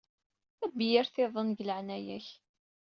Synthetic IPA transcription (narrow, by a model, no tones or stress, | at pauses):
æbːijæɾθɪðˤənɡləʕnæjæç